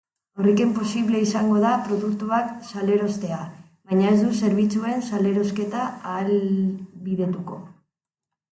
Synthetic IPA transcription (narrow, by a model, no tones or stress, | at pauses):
o̞rikimpo̞siβle̞isaŋɡo̞ð̞apɾo̞ðukt̪uaksale̞ɾo̞st̪e̞a | βajɲae̞zd̪use̞ɾβit͡sue̞nsale̞ɾo̞ske̞t̪aːlβiðe̞t̪uko̞